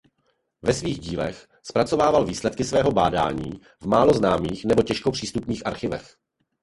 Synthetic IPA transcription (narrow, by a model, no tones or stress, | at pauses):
vɛsviːɣɟiːlɛ̰x | spɾat͡so̞vaːvalviːslɛt̪̚kɪsvɛːɦo̞baːda̰ːɲḭː | vmaːlo̞znaːmiːxnɛbocɛʃkopr̝̥iːst̪upniːxʔaɾxɪvɛ̰x